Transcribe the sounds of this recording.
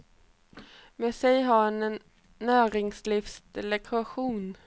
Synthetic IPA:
mɛːsɛjɦɑɾɛnɛnː | æːɾɪŋslifsd̪̥ɛlɛkʰaɧuːn

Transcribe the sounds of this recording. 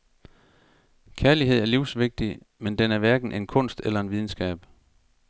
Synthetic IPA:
kʰæɐliɦe̝ð̞̰ˠæɐliʊ̰sʋe̝ɡ̥̚d̥i | mend̥enæɐʋæɐɡ̥n̩ʔe̝nkʰɔ̽n̰sd̥elɐe̝nʋið̞ˠn̩sɡ̥ɛ̰ːb̥

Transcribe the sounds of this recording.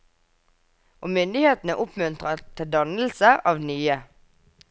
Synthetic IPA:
ʔoːmʏnd̪ɪheːt̪n̩əʔʊpmʉnt̪ʁət̪ʰɪld̪ɑnl̩səʔɑːʋnyːə

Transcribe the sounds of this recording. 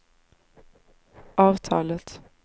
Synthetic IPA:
ʔɑːʋt̪ʰɑ̰ːlət̪

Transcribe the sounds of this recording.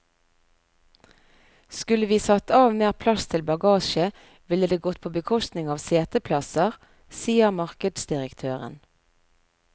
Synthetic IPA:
skʉləʋiːsɑt̪ɑːʋmeːʁpʰlɑst̪ʰɪlbɑɡɑːʃə | ʋɪləd̪eːɡɔt̪̚pʰoːbəkʰɔst̪nɪŋɑːʋseːt̪əpʰlɑsəʁ | siːəʁmɑʁkəd̪sd̪ɪʁəkt̪ʰøːʁə̰n

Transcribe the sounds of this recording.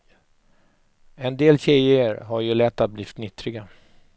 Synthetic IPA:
ɛnd̪eːlɕɛjɪəɾɦaɾjɵlɛt̪ːabliːft̪nʏt̪ːɾɪɡa

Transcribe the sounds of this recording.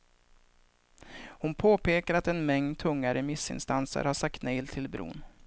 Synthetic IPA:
hʊnpʰoːpʰeːkaɾat̪ɛnmɛŋnd̪̚t̪ʰɵŋːaɾəmɪsːɪ̰nst̪ansə̰ɾhaʂak̚t̪nɛjlt̪ʰɪlbɾṵːn

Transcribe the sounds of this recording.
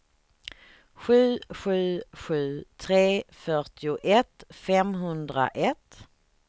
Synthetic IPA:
ɧʉ̟ːɧʉ̟ːɧʉ̟ːt̪ʰɾeːfœʈɪʊʔɛt̪fɛmɦɵnd̪ɾa̰ʔɛt̪

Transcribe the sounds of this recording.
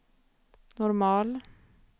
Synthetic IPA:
nʊɾmɑːl

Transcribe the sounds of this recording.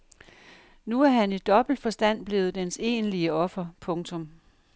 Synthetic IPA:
nuæɐɦænid̥ɒ̽b̥l̩d̥fɒ̽sd̥æn̰b̥le̝ːð̩ˠd̥ense̝̰ːnliəɒ̽fɐpʰɔ̽ŋt͡sʰɔ̽m

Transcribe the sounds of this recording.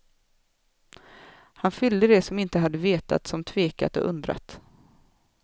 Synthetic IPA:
hanfʏld̪əd̪ɛsɔmɪnt̪əɦad̪ːəveːt̪a̰t̪sɔmt̪ʰveːka̰t̪ɔ̰ʔɵnd̪ɾa̰t̪

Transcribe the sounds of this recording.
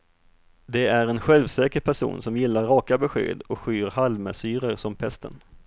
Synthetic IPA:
d̪ɛæɾɛnɧɛlvsɛːkəɾpʰæʂṵːnsɔmjɪlːaɾːɑːkabɛɧḛːd̪ɔkɧyːɾhalmə̰syːɾəɾsɔmpʰɛst̪ə̰n

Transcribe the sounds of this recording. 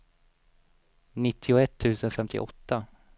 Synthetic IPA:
nɪt̪ʰːɪʊɛt̪ʰːʉ̟ːsənfɛmt̪ʰɪ̰ʔɔt̪ːa

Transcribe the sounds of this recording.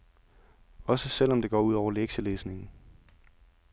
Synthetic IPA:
ɒ̽səsel̰ɒ̽md̥e̝ɡ̥ɒ̰ːuð̰ˠɒʊɐleɡ̥ɕəleːsne̝ŋn̩

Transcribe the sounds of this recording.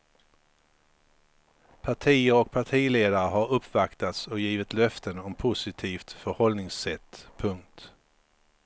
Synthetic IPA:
pʰaʈʰiːəɾɔk̚pʰaʈʰiːleːd̪aɾəɦaɾɵpːvakt̪at̪sɔjiːvɪt̪lœft̪ənɔmpʰʊsɪt̪ʰiːft̪fœɾhɔlnɪŋsɛt̪ːpʰɵŋk̚t̪

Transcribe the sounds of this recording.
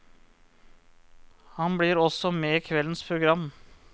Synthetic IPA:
hɑnbɽiːɾɔsɔmeːkʰʋɛlənspʰɾʊɡɾɑmː

